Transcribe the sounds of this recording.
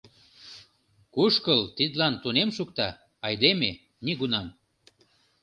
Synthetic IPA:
kuʃkəlt̪id̪lɑnt̪unemʃukt̪ɑ | ɑjd̪eme | niɣunɑm

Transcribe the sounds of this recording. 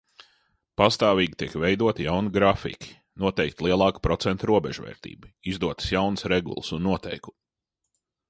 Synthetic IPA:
past̪aːviːɡʲit̪iɛkvejd̪uɔt̪ijawniɡɾafḭkʲi̥ | nuɔt̪ɛjkt̪ʲlˠiɛlˠɑːkpɾɔt̪sɛnt̪ɾuɔbɛʒvɛ̰ːɾt̪ḭːbuizd̪uɔt̪ə̥sjawnəsɾeɡṵlˠsunːuɔt̪ɛjku̥

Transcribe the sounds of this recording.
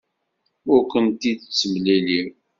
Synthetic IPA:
ʊɾkənt̪id̪t͡sːəmliliɾ

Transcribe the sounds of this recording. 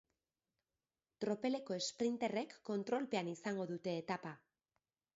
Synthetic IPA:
t̪ɾo̞pe̞le̞ko̞e̞spɾint̪e̞re̞kːo̞nt̪ɾo̞lpe̞anisaŋɡo̞ðut̪e̞ːt̪apa

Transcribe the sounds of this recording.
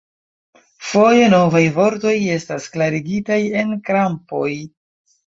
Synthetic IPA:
fo̞je̞no̞vajvo̞ɾto̞je̞stasklaɾiɡitaje̞nkɾampo̞j

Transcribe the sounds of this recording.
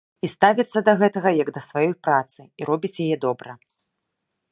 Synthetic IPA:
ist̪avʲɐt̪sːɐd̪ɐɣɛt̪ɐɣɐjɐɡd̪ɐsvajɔjpɾat̪sɨiɾɔbʲit͡sʲjajɛd̪ɔbɾɐ

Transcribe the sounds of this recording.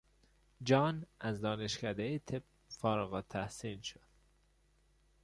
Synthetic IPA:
d͡ʒɒːnæzd̪ɒːneʃcæd̪ejet̪ʰeb̚ | fɒːɾɣɒːt̪ʰæhsiːnʃod̪̥

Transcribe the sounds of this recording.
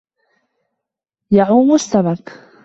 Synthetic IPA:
jaʕuːmʊst̪aβak

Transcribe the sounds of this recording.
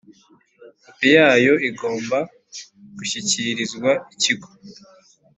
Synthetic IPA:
apijaːjo̞iɡo̞ːmba | ɡ̥uʃiciɾizɡwaiciɡo̥

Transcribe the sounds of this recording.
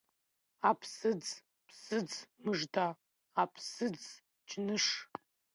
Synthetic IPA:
apʰsɨd͡z | pʰsɨd͡zmɨʐdaː | pʰsɨd͡z | d͡ʒnɨʂ

